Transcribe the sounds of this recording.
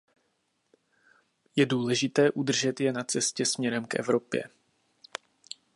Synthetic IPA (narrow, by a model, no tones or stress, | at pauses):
jɛduːlɛʒɪt̪ɛːʔud̪r̩ʒɛt̪jɛnat͡sɛscɛsmɲɛɾɛmkʔɛ̰vɾo̞pjɛ̰